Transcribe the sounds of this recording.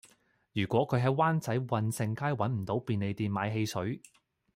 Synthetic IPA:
jyː˨˩kʷɔː˨˥kʰɵ˨˧ɥɦɐ˨˧˥jwaː˥nt͡sɐ˨˥jwɐ˧nsɪ˧ŋkʰaː˥jwɐ˨˥nm̩˨˩t̪o˨˥wpiː˨nle˨˧jt̪iː˨nma̰ː˨˧jɦe˧jsɵ˨˥ɥ

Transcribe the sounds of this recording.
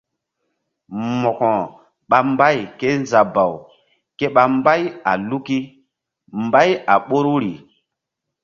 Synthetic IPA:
mɔ˨kɔ̃˨ | ɓa˨mba˦jke˦n˦za˨ba˨w | ke˦ɓa˨mba˦ja̰˨lu˦ki˦ | mba˦ja˨ɓo˦ɾu˦ɾi˨

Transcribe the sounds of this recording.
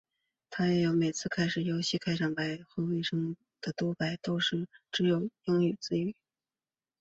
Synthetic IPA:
t̪ʰa˥jɛ˧˩jo˧˥ʊme˨˩ɪt͡sʰɹ̩˥˧kʰa˥ɪʂɻ̩˨˩jo˧˥ʊɕi˥˧kʰa˥ɪʂɑ˥˩ŋpa˧˥ɪxwe˥we˥˩ɪʂɤ˥ŋ | d̪̥ə˨t̪wɔ˥pa˧˩ɪt̪o˥ʊʂɻ̩˥˩ʈ͡ʂɻ̩˧˥jo˨˩ʊjʊ˥ŋy˨˩t͡sɹ̩˥y˨˩˦

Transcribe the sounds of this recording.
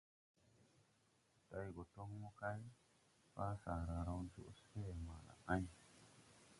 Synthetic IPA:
ta˨jɡo˨to˦ŋmo˦ka˦j | fa˦sa˨ɾa˨ɾa˦wd͡ʒṵ˦ʔse˦˨ma˨la̰˨ʔã˦ɲ

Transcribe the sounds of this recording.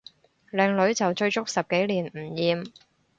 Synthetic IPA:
lɛː˨˩ŋlɵ˨˥ɥt͡sɐ˨wt͡ʃɵ˧ɥt͡sʊ˥k̚sɐ˨p̚ke˨˥jliː˨˩nm̩˨˩jiː˨˧m

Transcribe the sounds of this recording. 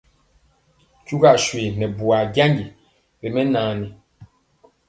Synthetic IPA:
ku˦ɡa˦˨ʃwe˨nɛ˨bu˨a˨ɡa˦ŋɡi˨ | be˨mɛ˦naː˨ni˨

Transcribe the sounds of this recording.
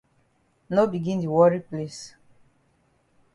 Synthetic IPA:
no˦bi˨ɡĩ˦ndi˨wɔ˦ɹi˦ple˦s

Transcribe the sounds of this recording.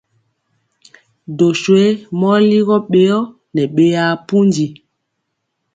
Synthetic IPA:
do˨swe˦mɔ˦li˦ɣɔ˦ɓe˦jɔ˦ | nɛ˨ɓe˨ja˨pu˦nd͡ʒi˨

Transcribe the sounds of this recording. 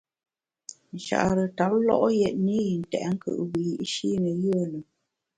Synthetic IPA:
n̩˨ʃa̰˨ʔɾə˨ta˨˦p̚lɔ˦˨ʔjɛ˨ʔ̚ni˦ji˨n̩˨tɛ̰˨ʔŋ̩˦kə̰˨ʔbi˨ji˦ʔʃi˦nə˨jə˦ə˦˨lə˨

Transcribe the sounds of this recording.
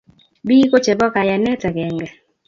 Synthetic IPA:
bi˦ko˦t͡ʃɛ˨bɔ˦ka˨ja˨nɛ˦ta˨ɡɛ˨ŋɡɛ˨

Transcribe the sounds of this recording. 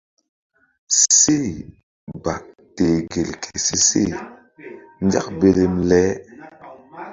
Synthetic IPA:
se˦˨ | ba˨k̚ | te˨ɡe˨lkʰe˨si˨sḛ˦˨ | n˦d͡ʒa̰˦kbe˨ɾe˨mlɛ˨˦

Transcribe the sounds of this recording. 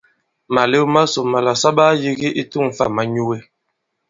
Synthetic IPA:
ma˨le˦ma˦so˨ma˨la˨sa˦ba˦ji˦ɣi˦ʔi˦tu˦˨ŋ˨fa̰˦˨ma˨˦ɲu˦we˦

